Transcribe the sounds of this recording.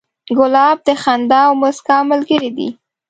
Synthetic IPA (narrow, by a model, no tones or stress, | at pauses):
ɡʊlɑb̚d̪əxand̪ɑwmʊskaməlɡəɾid̪ḭ